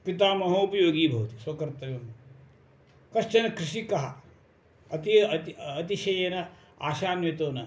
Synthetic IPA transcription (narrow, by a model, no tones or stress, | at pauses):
pit̪aːmɐɦɐupɐjoːɡiːbʱɐʋɐt̪iswɐkɐɾt̪ɐʋjɐm | kɐʃt͡ʃɐnɐkɾɪʃikɐɦɐ | ɐt̪it̪iɐt̪iʃɐjɐnɐ | a̰ːʃaːnʋit̪oːnɐ